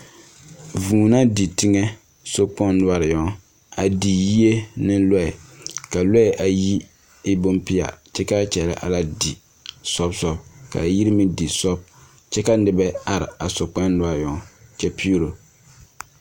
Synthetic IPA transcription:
vuː˨na˦di˨ti˦ŋɛ˦ | so˦k͡pɔ˦nʊ˦a˦ɾɪ˨jɔ˦ | a˨di˨ji˦e˦nɪ˦lɔ˦ɛ˨ka˨lɔ˦ɛ˨ʔa˨ji˦ | ɪ˦bo˦mpi˦a̰˨t͡ʃɛ˦ka˦t͡ʃɛ˨la̰˦ʔa̰˨la˦di˨ | sɔ˦bsɔ˦bka̰˨ji˦ɾi˦mɪ˦di˨sɔ˦b̚ | t͡ʃɛ˦ka˦nɪ˨bɛ˦a˦ɾɪ̰˨a˨so˨k͡pɛ˦nʊ˦a˦ɾɪ˨jɔ˨˦t͡ʃɛ˦pi˦u˦ɾo˨

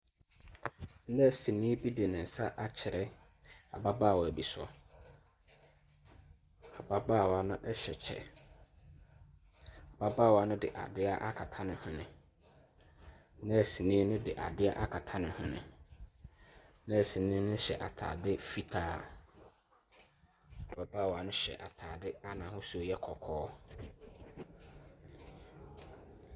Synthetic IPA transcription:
n̩˦dɛ˦˨sĩ˨nĩ˦bi˦de˨nɪ̃˨n̩˨sa˦ʔa˨t͡ɕʰɪ˨ɾɛ˦ | a̰˨ba˦baː˦˨wɔ˨æ˨bi˨sʊ˦ɔ̰˨ | a˨ba˦baː˦˨wa˦nʊ̃˦ʔɛ˦ɕɛ˨t͡ɕʰɛ̰˨ | a˨ba˦baː˦˨wɔ˨a˦nʊ̃˦dɪ̰˨ʔa̰˨dɪ˦a˦ʔa˦kʰa˨tʰã˦nɪ̃˨hʊ̃˦nɪ̃˨ | nã˦æ˨si˨nĩː˦nʊ̃˦dɪ˨ʔa̰˨dɪ˦a˦ʔa˦kʰa˨tʰã˦nɪ̃˨hʊ̃˨nɪ̰̃˨ | nã˦æ˨sĩ˨nĩ˦nʊ̃˦ɕɛ̰˨ʔa˨tʰa̰ː˨dɪ˦fi˦tʰaː˦˨ | ba˨baː˦˨wa˨nʊ̃˦ɕɛ̰˨ʔa̰˨tʰaː˨dɪ˦a˦nã˨hʊ̃˦su˦jɛ˦kʰɔ˨kʰɔː˦

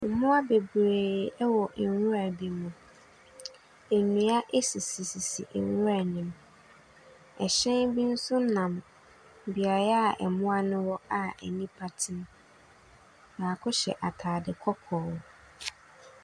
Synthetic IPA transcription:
mʊ̃˦a˦be˨bɾeː˨ɛ˦wɔ˨˦wʊ˦ɾa˨bi˦mʊ̃˨ | e˨nũ˨a˦ʔe˦si˨si˨si˨sḭ˨ʔɛ̰˨wʊ˦a˨nĩ˨m | ɛ˨ɕɛ̃˦nbi˦n̩˦sʊ˦nã˨m˨ | bi˨a˨ɾa˦a˨ʔɛ̰˨mʊ̃˦a˦nʊ̃˦wɔ˦a˨ɛ̰˨nĩ˦pʰa˦tʰɪ̃˦m̃˦ | ba˨kʰʊ˦ɕɛ̰˨ʔa˨tʰaː˨dɪ˨kʰɔ˦kʰɔː˨w

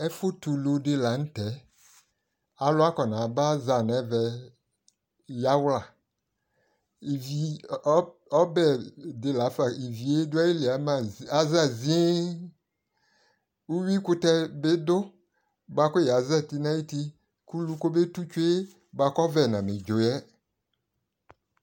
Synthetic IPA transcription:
ɛ˦fo˦t̪u˨lo˨de˦la˨n̩˦tɛ˨˦ | a˨lʊ˦a˦kɔ˨nã˨ba˦za˨nɛ˨˦vɛ˨ | ja˦wla˨ | i˨vi˨˦ | ɔ˦bɛ˨de˨la˨˦fa˨i˨vi˨e˦dʊ˦a˦je˦li˨a˨˦mã˨za˨za˦˨zi˦e˦ | u˦wi˦kʊ˦t̪ɛ˦be˦d̪ʊ˦ | ba˦ko˦ja˨zɛ˦˨t̪i˦nã˦i˦t̪i˦ | ku˦lu˦ko˦be˦tu˦t͡ʃu˦e˦ | ba˨˦kɔ˦vɛ˨nã˨me˨d͡ʒo˨jɛ˦

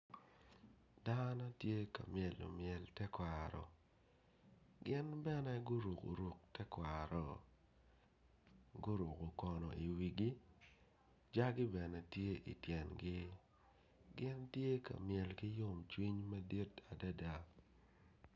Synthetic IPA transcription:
da˦nɔ˦tje˦ka̰˨mjɛ˨lo̰˨mjɛ˨ltɛ˦kwa˨ɾɔ̰˨ | ɡɪ˦nbɛ˦nɛ˦ɡʊ˦ɾu˨ko̰˨ɾu˨k̚tɛ˦kwa˨ɾɔ˨ | ɡʊ˦ɾu˨ko˨kɔ˨nɔ˨i˨wi˨ɡi˦ | d͡ʒa˦ɡɪ˦bɛ˨nɛ˨tje˦ʔḭ˨tjɛ˨nɡɪ˦ | ɡɪ˦ntje˦ka̰˨mjɛ˨lkɪ˦jʊ˦˨mt͡ʃwi˦ɲma˦di˦ta˨da˦da˦

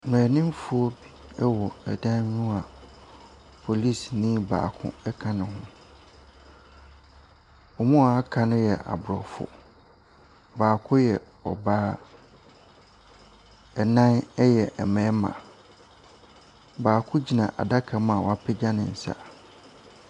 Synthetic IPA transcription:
m˨ɛ̃ː˨nĩ˦m˦fʊ˦ɔ˦bi˦ɛ˦wɔ˨ɛ˨dã˦ɲᶣũ˦a˨ | pʰo˨li˦˨snĩ˦ba̰ː˨kʰʊ̰̃˦ɛ˦kʰã˨nɪ̃˨hʊ̃˦ | ɔ˨mũ˦˨a˦kʰã˨nʊ̃˦jɛ˨ʔa̰˨bʊ˨ɾɔ˨fʊ̰˨ | baː˨kʰʊ̃˦jɛ˨ | ɔ̰˨baː˦ | ɛ˨nã˦nɛ˦jɛ˨ʔɛ̰˨mɛ̃˨˦mã̰˨ | baː˨kʰʊ̃˦d͡ʑi˨nã̰˨ʔa̰˨da˦kʰa˨˦mã˨wɔ˨a˦pʰɪ˦d͡ʑa˦nɪ̃˨n̩˨sa̰˦

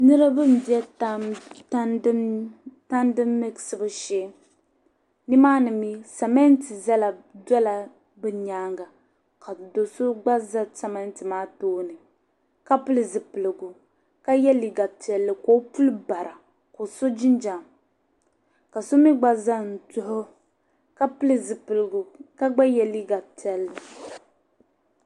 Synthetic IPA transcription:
nɨ˦ɾɨ˦bɨ˦n˨bi˦ɛ˦ta˦tta˦ndɨ˦mːɨ˦ɡsɨ˦bɨ˦ʃɛ˦ | ni˦maː˦nɨ˨mi˦sa˨mɛ˦nti˨za˦la˨dɔ˦la˨ | bɨ˦ɲaː˦ŋɡa˨ | ka˨do˨so˦ɡ͡ba˦za˦sa˦mɛ˦ntɨ˨maː˦toː˦nɨ˨ | ka˦pɨ˦lɨ˨zɨ˨pɨ˨lɨ˨ɡʊ˨ | ka˦jɛ˦li˨ɡa˨tɛ˨lːɨ˨ko˦pu˦lɨ˦ba˨ɾʔa˨ | ko˨so˦d͡ʒi˦nd͡ʒa˨m | ka˨so˦mi˦ɡ͡ba˦za˦n̩˨tʊ˦hʊ˦ | ka˦pɨ˦lɨ˦zɨ˨pɨ˨lɨ˨ɡʊ˨ka˦ɡ͡ba˦jɛ˦li˦ɡa˨ti˨˦ɛ˨lːɨ˨

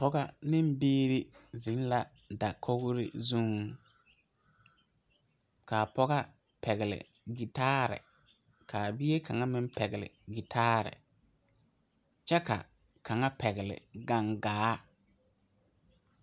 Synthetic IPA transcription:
pɔ˦ɡa˦nɪ˦m˦biː˦ɾɪ˦zɪ˨˦n˦la˨ | da˨kʰo˦ɣʊ˦ɾɪ̰˦zu˦ŋ | ka˨pɔ˦ɣa˦ | pʰɛ˨ɣɪ˨lɪ̰˨ | ɡi˨taː˦ɾɪ̰˨ | kʰaː˨bɪ˦e˦kʰa˨ŋa˦mɪ˦m˦pɛ˨ɡɪ˨lɪ̰˨ɡi˨tʰaː˦ɾɪ̰˨ | t͡ʃɛ˦ka̰˨ | kʰa˨ŋa˦pʰɛ˨ɣɪ˨lɪ̰˨ɡa˦˨ŋɡaː˨˦

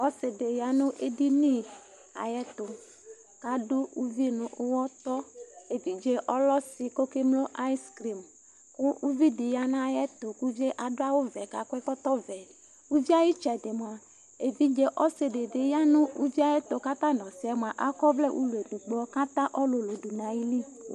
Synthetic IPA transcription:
ɔ˦se˨de˨ja˦nʊ̃˦ʔe˦di˦nĩ˦ | a̰˨jɛ˦t̪o˨ | ka˨dʊ˦u˦vi˦nʊ̃˨ʔo˦wɔ˦t̪ɔ˦e˨vi˦d͡ʒe˦ʔɔ˦lɔ˦si˨ko˦ke˦mlo˦ʔa˦i˦skɾi˨m | kʊ˦u˦vi˦di˨ja˦nã˦˨jɛ˦t̪o˨ku˦vi˦e˦ʔa˨do˦a˦wo˦vɛ˨ka˨kʷɛ˦kɔ˦t̪ɔ˦vɛ˨ | wu˦vi˦a˦ji˦t͡ʃɛ˨de˨m˨a˨ | e˨vi˦d͡ʒe˦ʔɔ˦se˨de˨de˨ja˦nʊ̃˦u˦vi˦a˨jɛ˦t̪o˨ka˦t̪ã˦nɔ̃˨si˦a˨˦m˨a˨ʔa˦kɔ˦vlɛ˦ʔṵ˦lu˨e˨du˨ɡ͡bɔ˦ka˦t̪ã˦ʔɔ˦lo˨lo˨du˨nã˨ji˦li˦

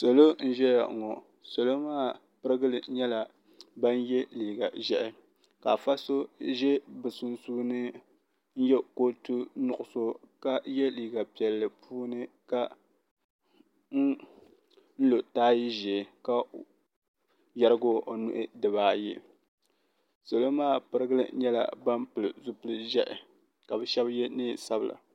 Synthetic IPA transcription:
so˨lo˦n̩˦ʒɛ˦ja˨ʔŋɔ˨ | so˨lo˦maː˦˨ | pɨ˦ɾɨ˦ɡɨ˦lɨ˨ɲɛ˦la˨ | ba˦n˦jɛ˦liː˨ɡa˨ʒɛ˦ʔɪ˦ | ka̰˨fa˦so˦ʒɛ˦bɨ˨sʊ˦nsuː˦nɨ˦ | n̩˦jɛ˦ko˦tu˦nʊ˨ʔʊ˨so˦ka˦jɛ˦liː˨ɡa˨pi˨ɛ˨lːɨ˨pʰuː˦nɨ˦ka˦ | n̩˦ | n̩˦lo˨taː˦ji˦ʒɛ˨ka˦ | ja˨ɾɨ˦ɡo˦o˨nṵ˦˨ʔɪ˦dɨ˨βaː˨˦ji˦ | so˨lo˦maː˦˨pɨ˦ɾɨ˦ɡɨ˦lɨ̰˦ɲɛ˦la̰˨ba˦mpɨ˨lɨ˨zʊ˦pɨ˦lɨ˦ʒɛ˦ʔɪ˨ | ka˨bɛ˨ʃɛ˦bjɛ˦nɨː˦sa˦bɨ˨lʔa̰˨

